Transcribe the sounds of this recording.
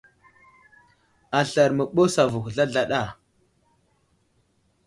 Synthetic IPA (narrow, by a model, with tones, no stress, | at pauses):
a˨ɬa˨ɾmə˨ɓo˦sa˨vu˨xɮa˦ɮa˦ɗa˦˨